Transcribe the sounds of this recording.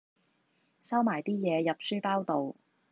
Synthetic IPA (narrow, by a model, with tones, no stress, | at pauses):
sɐ˥wmaː˨˩jt̪iː˥jɛː˨˧jɐ˨p̚syː˥paː˥wt̪o˨w